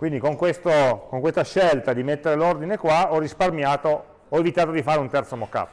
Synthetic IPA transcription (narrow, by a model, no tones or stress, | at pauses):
kwind̪ikoŋkwest̪okoŋkwest̪aʃːelt̪ad̪imet̪ːeɾelord̪inekwaɔrːisparmjaːt̪oː | evit̪aːt̪od̪ifaːɾeunt̪ɛrt̪somokːa̰ːt̪o